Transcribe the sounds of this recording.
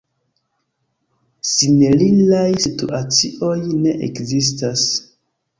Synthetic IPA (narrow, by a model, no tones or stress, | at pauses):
sinelinlajsitṵʔat͡siʔo̞jne̞ʔekzis̬tas